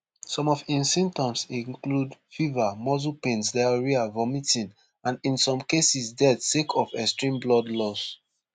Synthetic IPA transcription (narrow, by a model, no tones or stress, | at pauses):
sɔ̃mɔfĩnsĩmtɔ̃msĩŋkludfivamɔzupẽnsdɛɹiavɔmitĩn | ãnĩnsɔ̃mkesisdɛtsekʰɔfɛkstɹĩmblɔdlɔs